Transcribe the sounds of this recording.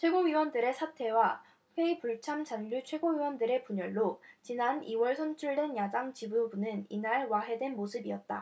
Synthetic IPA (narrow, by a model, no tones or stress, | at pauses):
t͡ɕʰwe̞ɡoɥiwʌndɯɾe̞sʰatʰe̞wa | ɸʰwe̞ipuɭt͡ɕʰamt͡ɕanʎut͡ɕʰwe̞ɡoɥiwʌndɯɾe̞puɲʌɭːot͡ɕinaniwʌɭsʰʌnt͡ɕʰuɭde̞njadaŋt͡ɕibubunɯninaɭwaɦe̞dwe̞nmosʰɯbiʌt̚t͈a̰